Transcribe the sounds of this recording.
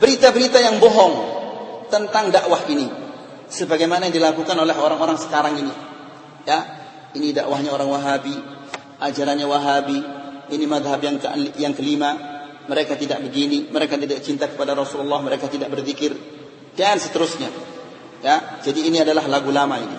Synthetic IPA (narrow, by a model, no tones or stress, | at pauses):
b̥əɾit̪abəɾit̪ajaŋbɔɦɔŋt̪ənt̪aŋdaʔwahini | səbaɡajmanajaŋdilakukanolɛɦoɾaŋoɾaŋsə̥kaɾaŋini | ja | inidaʔwahɲaoɾaŋwaɦabi | ʔad͡ʒaɾanɲawaɦabiːnimaðɦapjaŋkəjaŋkəlima | məɾekat̪idaʔ̚bəɡiniməɾekat̪̬idaʔ̚t͡ʃint̪akə̥padaɾɔsululːahməɾekat̪idaʔ̚bərzikɪr | dansə̥t̪əɾʊsɲa | jad͡ʒadiːniadalaɦlaɡulamainḭ